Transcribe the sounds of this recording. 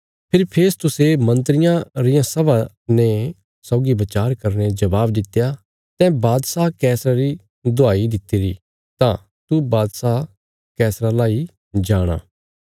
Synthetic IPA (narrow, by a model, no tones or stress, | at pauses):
pʰɪɾpʰeːst̪ʊsemɐ̃nt̪ɾɪjãɾɪjãsɐba | ne | sɔːɡibɐt͡ʃaːɾkɐɾned͡ʒɐbaːbd̪ɪt̪ːeja | t̪ɛ̃baːd̪sakɛːsɾaɾi | d̪ʊaːid̪ɪt̪ːiːɾi | t̪ã | t̪ubaːd̪sa | kɛːsɾalaːi | d͡ʒaːɽ̃a̰ː